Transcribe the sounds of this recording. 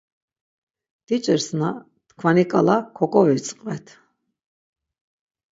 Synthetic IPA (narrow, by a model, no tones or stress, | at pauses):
d̪̥it͡ʃʼəɾsna | t̪kʰvanikʼalakʰɔkʼɔvit͡sʼqʼvɛt̪ʰ